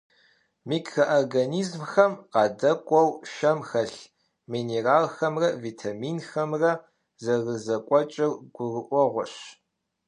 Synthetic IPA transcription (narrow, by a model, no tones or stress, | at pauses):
miːkʰːɐʔɐrɡɐniːzmxɐmqɑːdɐkʷʼɔwʃɐmxɐɬ | mineraːlxɐmrɐvitʰamiːnxɐmrɐ | zɐrɨzɐkʷʼɔt͡ʃʼɪrɡ̥ʷʊrɨʔʷɔʁʷɔɕ